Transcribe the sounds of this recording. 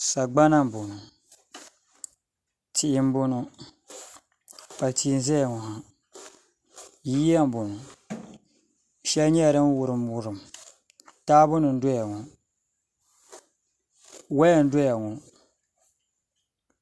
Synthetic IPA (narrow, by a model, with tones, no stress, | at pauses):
sa˨ɡ͡ba˦na˦m˨bʊ˨nʊ˨ | tɪ˨ʔɪ˨˦m̩˦bʊ˦nʊ˦ | pa˨tʰiː˨˦n̩˦zɛ˦a˨ŋɔ˨ɦa˨ | jiː˦ja˦m̩˨bʊ˨nʊ˨ | ʃɛ˦lɲɛ˦˨ɾɨ˦m˦wʊ˨ɾɨ˨m˦wʊ˦ɾɨ˨m | taː˦bʊ˦nɨ˨n̩˦do˦ja˨ŋɔ˨ | wa˦ja˨n̩˦do˦ja˨ŋɔ˨